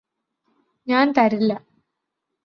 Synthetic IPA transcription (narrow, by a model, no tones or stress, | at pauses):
ɲaːnt̪ɐɾilːɐ